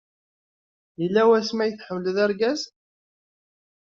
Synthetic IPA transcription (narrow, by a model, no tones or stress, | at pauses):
ilːæwæsmæjəθħəwləðæɾɡæz